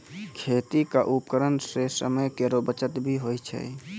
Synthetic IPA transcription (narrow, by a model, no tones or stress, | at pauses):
kʰet̪ikaʔupkəɾənsesə̰məjkeɾobət͡ʃət̪bʱiɦojt͡ʃʰɛ̰